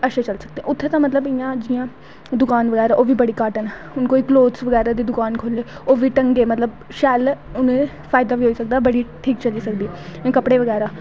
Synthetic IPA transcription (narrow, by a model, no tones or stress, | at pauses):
əʃet͡ʃəlsək̚d̪eɛ̃ʊt̪ʰːeːt̪ãːmət̪ləbɪjãːd͡ʒɪjãː | d̪ʊkaːnʋəɡɛːɾaːʔoːʋiːbəɽiːkaːʈən | ʊnkoːiːkloːd̪sʋəɡɛːɾaːd̪iːd̪ʊkaːnkʰoːleːoːʋiːʈəŋɡeːmət̪ləb | ʃɛːlʊnẽː | pʰaːɪd̪aːʋiːɦoːiːsək̚d̪aːbəɽiːʈʰiːkt͡ʃəliːsək̚d̪iːẽːkəpɽeːʋəɡɛːɾaː